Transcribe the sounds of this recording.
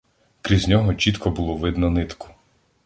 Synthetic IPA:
kɾʲizʲnʲɔɦɔt͡ʃit̪kʰɔbulˠɔʋɪd̪nɔnɪt̪kʊ̥

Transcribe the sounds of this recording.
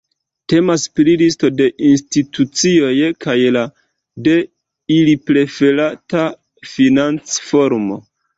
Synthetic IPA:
te̞masplilisto̞de̞ʔinstitut͡sio̞jkajla | de̞ | ilipɾe̞fe̞ɾata | finant͡sfo̞ɾmo̞̰

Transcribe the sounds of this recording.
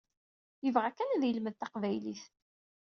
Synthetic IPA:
jəvʁakːænæðjəlməðt̪ɑqvæjlḭθ

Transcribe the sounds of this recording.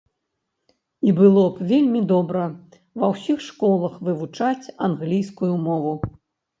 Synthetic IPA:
ibɨlˠɔpvʲelʲmʲid̪ɔbɾɐ | vɐwsʲixʂkɔlˠɐxvɨvut͡ʂat͡sʲanɣlʲijskujumɔvu

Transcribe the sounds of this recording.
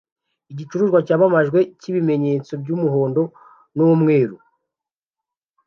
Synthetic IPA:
iɟit͡ʃuɾuʒɡwacaːβamaʒɡwe̞ciβime̞ɲe̞ːt͡so̞b̚ɟuːmuɦo̞ːndo̞ | nuwumŋe̞ːɾu

